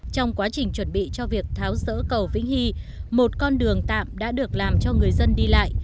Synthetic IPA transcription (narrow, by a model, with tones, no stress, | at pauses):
t͡ɕɔ˧wŋ͡mkwaː˨˦t͡ɕï˨˩ŋ̟t͡ɕwə˧˩nɓḭ˧˨t͡ɕɔ˧vi˨˩ək̚t̪ʰaː˨˦wzə̰ː˧˥kə˨˩wvḭ˧˥ŋ̟hi˧mo˨˩t̚kɔ˧nɗɨ˨˩əŋt̪a̰ː˧˨mɗa̰ː˧˥ɗɨ˨˩ək̚laː˨˩mt͡ɕɔ˧ŋɨ˨˩əjzə˧nɗi˧la̰ː˧˨jʔ